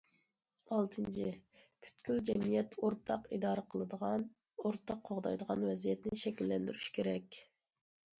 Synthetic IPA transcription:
ɑlˠt̪ʰɨnt͡ʃʰipʰy̥t̪kʲʰyld͡ʒɛmijɛt̪ʰoɾt̪ʰɑqid̪ɑːɾəqʰəlˠəd̪əʁɑn | oɾt̪ʰɑqʰːoʁd̪ɑ̰jd̪əʁɑnwɛzijɛt̪nɪʃɛkʲilːɛnd̪yɾyʃkʲʰeɾɛkʲ

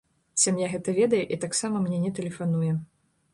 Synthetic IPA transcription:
sʲamjaɣɛt̪ɐvʲɛd̪ɐjɛʔit̪aksamɐmnʲɛnʲɛt̪ɛlʲɛfan̪ujɛ

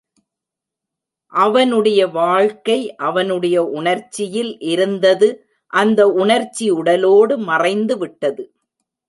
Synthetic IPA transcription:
ʔɐʋɐnɯɽɐjɐʋaːɻkɐɪʔɐʋɐnɯɽɐjɐʔʊɳɐɾt͡ʃːɪjɪlʔɪɾɯnd̪ɐðɯ | ʔɐnd̪ɐʊɳɐɾt͡ʃːiʊɽɐloːɽɯmɐrɐɪnd̪ɯʋɪʈːɐðɯ

